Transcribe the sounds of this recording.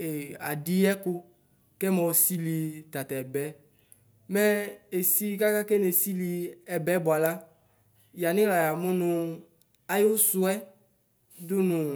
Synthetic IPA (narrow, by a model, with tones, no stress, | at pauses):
e˨a̰˨di˦ɛ˦kʊ˦ | kɛ˦mɛ˨si˦li˨t̪a˨t̪a˨ɛ˨bɛ˦ | mɛ˦e˨si˦ka˦ka˦ke˦ne˨si˦li˨ɛ˨bɛ˨˦bʊ˨a˨la˦ | ja˨nɪ̃˦la˨ja˨mʊ˦nʊ̃˨ | a˦jo˦sʊ˦ɛ˦ | dʊ˦nʊ̃˨